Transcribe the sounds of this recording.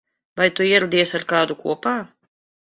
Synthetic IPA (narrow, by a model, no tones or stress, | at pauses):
vajt̪uiɛɾad̪ʲiɛsaɾkaːd̪ukṵɔpaː